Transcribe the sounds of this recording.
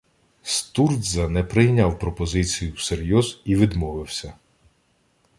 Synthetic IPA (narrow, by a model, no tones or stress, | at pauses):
st̪urd̪zɐnɛpɾɪjnʲawpɾɔpɔzɪt͡sʲijuwseɾʲjɔziʋɪd̪mɔʋɪwsʲɐ